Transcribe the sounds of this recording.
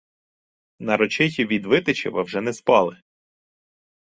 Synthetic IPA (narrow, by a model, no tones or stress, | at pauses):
nɐɾɔt͡ʃɪxʲiʋʲid̪ʋɪt̪ɪt͡ʃɪ̰ʋɐwʒɛnɛspɑlˠɪ